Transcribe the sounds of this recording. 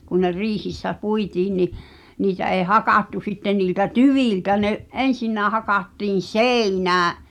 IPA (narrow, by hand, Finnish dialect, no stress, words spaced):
kun ne riːhisːæ puitiːn ni niːtæ eˑi̞ hɑkɑˑtːu sitːen niːltæ tyʋiˑltæ neʔ ensinːæː hɑkɑtːiːn̞ seˑinæː